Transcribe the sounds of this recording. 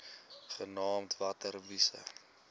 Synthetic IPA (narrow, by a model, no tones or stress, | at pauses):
χənɑːmtvɐtərvisə̰